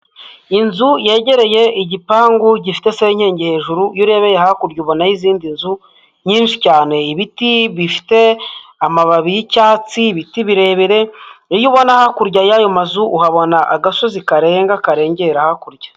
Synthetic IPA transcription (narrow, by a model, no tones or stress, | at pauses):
inzuje̞ːɟe̞ɾe̞je̞iɟipaːŋɡuɟifi̥te̞seɲheːɲɟehe̞ːʒuɾujuɾe̞βe̞jehakuɾɟuβo̞najiziːndinzu | ɲiːnʃi̥caːne̞iβitiβifi̥te̞amaβaβijicaːt͡siβitiβiɾe̞βeɾe̞ijuβo̞nahakuɾɟajajomazuʔuhaβo̞naʔaɡasozikaɾe̞ːŋɡakaɾe̞ːɲɟeɾahakuɾɟḁ